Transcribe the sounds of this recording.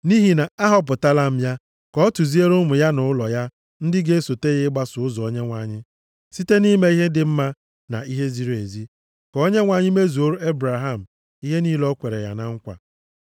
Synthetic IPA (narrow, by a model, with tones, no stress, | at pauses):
ni˦ɦi˨na˨a˦ɦɔ˦p̬ʊ˨ta˦la˦m̩˦ja˦ | kɔ˦tu˨zi˦e˦ɾo˦mʊ˨ja˦nʊ˨ʊ˦lɔ˨ja˦ | n̩˦dɪ˦ɡe˦so˨te˦ɣɪ˦ɡ͡ba˦sʊ˨ʊ˦zɔ˨o˦ɲe˦ŋʷa˨ɲɪ˦ | si˦te˦ni˦me˦i˦ɦe˦dɪ˦m̩˦ma˦ | na̰˨i˦ɦe˦zi˦ɾe˨zi˦ | kɔ˨˦o˦ɲe˦ŋʷa˨ɲɪ˦me˦zu˨o˦ɾu˦e˦bɾa˨ɦa˦˨m̩˨ | i˦ɦe˦niː˦lɔ˦kʷe˨ɾe˨ja̰˨na˨ŋ̩˦kʷa̰˨